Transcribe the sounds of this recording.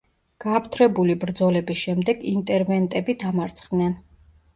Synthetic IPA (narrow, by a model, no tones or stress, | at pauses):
ɡ̥aːpʰt̪ʰɾɛbulibɾd̪zɔlɛbisʃɛmd̪ɛɡint̪ʼɛɾvɛnt̪ʼɛbid̪amaɾt̪sʰχd̪nɛn